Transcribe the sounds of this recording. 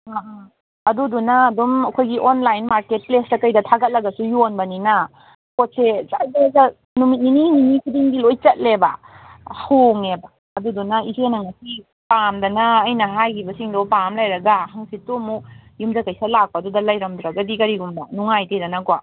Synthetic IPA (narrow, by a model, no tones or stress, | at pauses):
aa | ɐdudunɐːdumɐkʰojɡiʔonlajnmaɾket̚plestɐkɐjdɐtʰaɡɐt̚lɐɡɐsujonbɐnina | kot̚set͡ʃazzɐ | numit̚ninininikʰidiŋdilojt͡ʃɐt̚lebɐ̰ | hoŋebaːdudunɐisenɐŋɐsi | pamdɐnɐːjnɐɦajkʰibɐsiŋdɔpamlajɾɐɡahaŋsitːomujumzakajsalak̚paːdudɐlajɾɐmduɾɐɡadikɐɾiɡumbɐnuŋajtedɐnɐkwa